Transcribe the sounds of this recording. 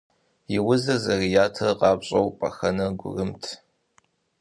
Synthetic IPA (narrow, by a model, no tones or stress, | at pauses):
jɪwʊzɐzɐrijaːtʰɐrqɑːbɕʼɐwpʼɐ̰xɐnɐɡʷʊ̰rɨmtʰ